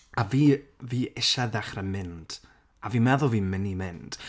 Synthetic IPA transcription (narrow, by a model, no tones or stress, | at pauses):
aviːviːɪʃaðɛχrəmɪnd̥ | aviːmɛðʊlˠviːmɪnimɪnd̥